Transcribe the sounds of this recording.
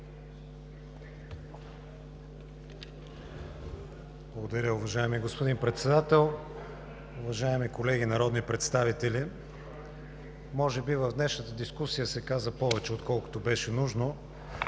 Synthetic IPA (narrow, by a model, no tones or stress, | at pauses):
blˠəɡod̪ɐɾʲəʊvɐʒaɛmiɡospod̪inpɾɛt̪sɛd̪at̪ɛlˠ | ʊvɐʒaɛmikolɛɡinɐɾɔd̪nipɾɛt̪st̪avit̪ɛli | mɔʒɛbivəvd̪nɛʃnət̪əd̪iskusijəsɛkazəpɔvɛt͡ʃɛot̪kɔlˠko̥t̪obɛʃɛnuʒno